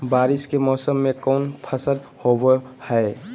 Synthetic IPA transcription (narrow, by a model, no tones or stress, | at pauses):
baːɾɪskemɔːsəmːẽkɔʊnpʰəsəlhobhɛe